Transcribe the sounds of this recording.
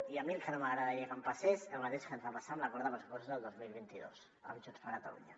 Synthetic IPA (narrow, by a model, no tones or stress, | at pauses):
iamiəlˠkənomaɣɾaðaʎekampasesəlmat̪eʃkent̪ɾapasamlakoɾðamlskosezðəlˠd̪ozmilˠβ̞int̪iðo̰s | a̰βt͡ʃot̪faɾkat̪alṵɲa